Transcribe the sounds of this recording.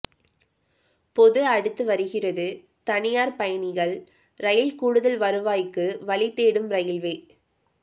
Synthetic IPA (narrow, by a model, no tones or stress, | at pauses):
pɔðɯɐɽɯt̪ːɯʋɐɾɯɣɪrɐðɯ | t̪ɐɳɪjaːɾpɐjɐnɪɣɐɭ | ɾɐjɪlkuːɽɯðɐlʋɐɾɯʋaːjkːɯʋɐɭɪt̪ːeːɽɯmɾɐjɪlʋeː